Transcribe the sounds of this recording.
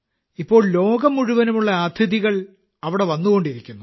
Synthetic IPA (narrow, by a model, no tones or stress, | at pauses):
ipːo̞ːɭlo̞ːɡɐmːuɻuʋɐnumuɭːɐaːt̪ʰiðiɣɐɭ | ɐʋiɽe̞ʋɐnːuɣo̞ɳɖiɾikʲːunːu